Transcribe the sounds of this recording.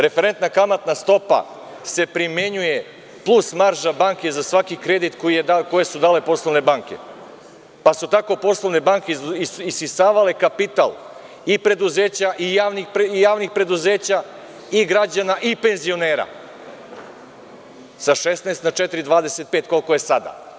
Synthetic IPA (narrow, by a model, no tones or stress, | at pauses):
ɾe̞feɾe̞nt̪nakamat̪nast̪o̞pa̰ | se̞pɾimje̞ɲuje̞ | plˠusmaɾʒabaːŋke̞zasʋakikɾe̞d̪it̪kojijed̪ako̞je̞sud̪aːle̞po̞slˠoʋne̞baŋke̞̰ | pasut̪ako̞po̞slˠoʋne̞baŋkeiisisaːʋale̞kapit̪a̰lˠ | ipɾe̞d̪uzeːt͡ɕaʔijaːʋnixpijaːʋnixpɾe̞d̪uzeːt͡ɕa | iɡɾad͡ʑanaʔipe̞nzio̞ne̞ːɾa̰ | saʃesnest̪nat͡ʃɛt̪iɾid̪ʋaːd̪e̞se̞t̪̚peːt̪ko̞lko̞je̞sad̪a̰